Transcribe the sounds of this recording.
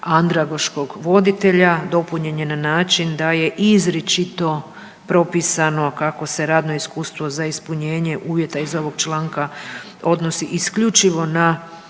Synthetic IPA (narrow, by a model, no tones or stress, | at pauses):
and̪ɾaɡoʃko̞ɡʋo̞d̪it̪e̞ʎad̪o̞puɲe̞ɲenanaːt͡ʃind̪aje̞ʔizɾet͡ʃit̪o̞ | pɾo̞pisano̞kako̞se̞ɾaːd̪no̞iskuːst̪ʋo̞zaispuɲe̞ːɲe̞ʔuːʋje̞t̪aizo̞ʋo̞ɡ̥t͡ʃlˠaːŋka | o̞d̪no̞siʔiskʎut͡ʃiʋo̞na